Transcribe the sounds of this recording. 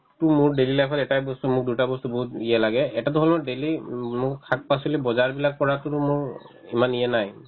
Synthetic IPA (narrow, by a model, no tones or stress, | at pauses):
tʊmʊɹdelilajpʰɔtɛtajbɔstumʊk̚dutabɔstubɔɦut̚ijɛlaɡɛɛtat̬ʊɦɔlmɔdelimʊɹkʰak̚pas̬ilibɔzaɹbilak̚pɔɹatʊtʊmʊɹ | imanijɛnaj